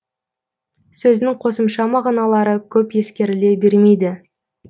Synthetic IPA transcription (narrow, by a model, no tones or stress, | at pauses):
sɵzɪnɪŋqʰo̞səmʃɑmɑʁɑnɑlˠɑɾəkʲʰɵpje̞skʲe̞ɾɪle̞be̞ɾme̞jd̪ɪ